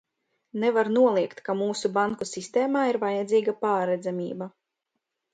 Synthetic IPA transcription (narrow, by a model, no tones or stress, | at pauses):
nɛvaɾnuɔlˠiɛkt̪kamuːsubaŋkusist̪eːmaːiɾvajad̪ziːɡapaːɾɛd̪zamʲḭːba